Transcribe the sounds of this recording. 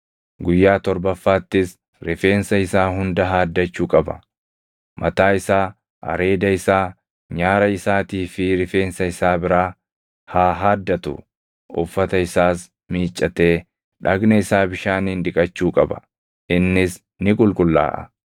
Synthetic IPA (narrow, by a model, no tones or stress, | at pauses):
ɡʊjːaːt̪ɔɾbɐfːaːt̪ːɪs | ɾɪfe̞ːnsɐɪsaːɦʊnd̪ɐɦaːd̪ːɐt͡ʃːuːkʼɐbɐ̰ | mʔɐt̪aːɪsaː | ɐ̰ɾe̞ːd̪ɐɪsaː | ɲaːɾɐɪsaːt̪iːfɪɾɪfe̞ːnsɐɪsaːbɪɾaː | haːɦaːd̪ːɐt̪ʊ̰ | ʊ̰fːɐt̪ɐɪsaːs | miːt͡ʃʼːɐt̪e̞ː | ᶑɐɡnɐɪsaːbɪʃaːniːnᶑ̪ɪkʼɐt͡ʃːuːkʼɐbɐ̥̰ | ɪnːɪs | nɪkʼʊlkʼʊlːa̰ːʔɐ̰